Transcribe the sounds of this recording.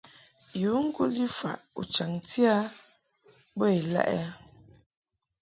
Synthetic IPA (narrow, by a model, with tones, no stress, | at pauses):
ju˨˦ŋ̩˦ɡu˦li˦fa̰˨ʔṵ˨t͡ʃa˨ŋti˦a˦ | bɔ˦e˨la̰˦ʔɛ̰˦